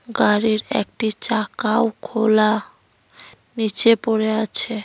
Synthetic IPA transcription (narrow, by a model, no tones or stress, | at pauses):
ɡaɾiɾḛk̚ʈit͡ɕakaokʰola | nit͡ɕepoɾeat͡ɕʰe